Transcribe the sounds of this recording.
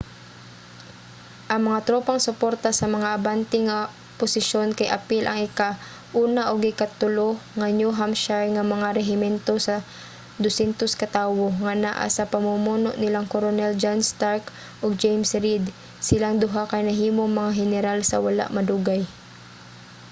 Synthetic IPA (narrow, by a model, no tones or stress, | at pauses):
ʔɐŋmɐŋat̪ɾopɐŋsʊpoɾt̪asɐmɐŋaʔɐbant̪ɪŋɐ | pʊsɪʃo̞nkɐjʔɐpilʔɐŋɪka | ʔuːnaʔoɡɪkat̪ʊloŋɐnjuɦamʃaɹŋɐmɐŋaɾɛɦɪmɛnt̪osɐ | d̪ʊsɛnt̪oskɐt̪aːwoŋɐna̰ʔa̰sɐpɐmʊmuːnoʔnɪlaŋkoɾonɛld͡ʒanst̪aɹk | ʔoɡ̚d͡ʒejmsɾid̪ | sɪlaŋd̪ʊɦakɐjnɐɦiːmo̞ŋmɐŋaɦɛnɛɾalsɐ̰wɐla̰ʔmɐd̪uɡaj